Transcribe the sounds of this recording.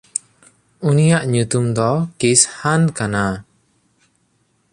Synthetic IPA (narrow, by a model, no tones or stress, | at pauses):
unijaʔɲut̪umd̪ɔkishankana